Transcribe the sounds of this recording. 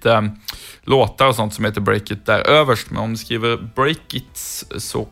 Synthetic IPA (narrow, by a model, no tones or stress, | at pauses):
əloːt̪əɾɔsɔnt̪sɔmheɪːt̪əbɾɛ̰ɪkət̪̚d̪æːɾøːʋəʂʈmɛ̰nɔmd̪ʉskʁiːʋəɾbɾɛɪkət̪ssɔ̰